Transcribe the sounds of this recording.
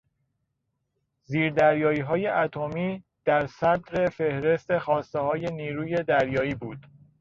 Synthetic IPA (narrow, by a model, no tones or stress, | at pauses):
ziːɾd̪æɾjɒːiːɦɒːje̞ʔæt̪ʰomiː | d̪̥æɾsæd̪ɾe̞fe̞hɾe̞st̪e̞xɒːst̪ehɒːje̞niːɾuːje̞d̪æɾjɒːiːbuːd̪̥